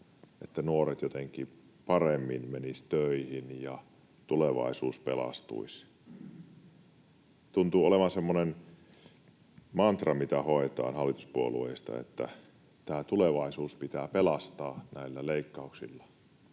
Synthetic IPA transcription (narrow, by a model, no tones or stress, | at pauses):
et̪ːænuoret̪jot̪eŋkˑi | pɑremːinmenist̪øihinjɑ | t̪uleʋɑ̰isuːspelɑ̰st̪ṵis | t̪unt̪uoleʋɑsemːonen | mɑnt̪rɑmit̪æhoet̪ɑ̰ːnhɑlːit̪u̥spuolṵeist̪ɑ̰ḛt̪ːæ̰ | t̪æːt̪uleʋɑisuːspit̪æːpelɑst̪ɑːnæilːæleikːɑuksḭlːɑ